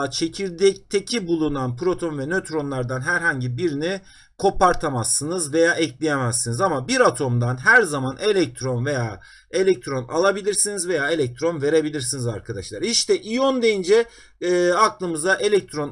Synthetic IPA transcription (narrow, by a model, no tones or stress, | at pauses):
t͡ʃʰe̞cʰiɾd̪ɛc̚t̪ʰecʰibulˠunanpʰɾo̞t̪ʰo̞nvɛnøt̪ɾo̞nlˠaɾd̪anɦæɾɦaɲɟibiɾini | kʰo̞paɾt̪ʰamasːɯnɯzve̞jaːʔɛclʲijemæsːinizamabiɾat̪ʰo̞md̪anɦæɾzamanʔe̞lʲɛc̚t̪ʰɾo̞nve̞jaː | e̞lʲɛc̚t̪ʰɾo̞na̰lˠabilʲiɾsinizve̞jaːe̞lʲɛc̚t̪ʰɾo̞nve̞ɾe̞bilʲiɾsinizaɾkʰad̪aʃlˠaɾiʃt̪ʰɛʔijo̞nd̪ejind͡ʒɛː | aklˠɯmɯzaʔe̞lʲɛc̚t̪ʰɾo̞n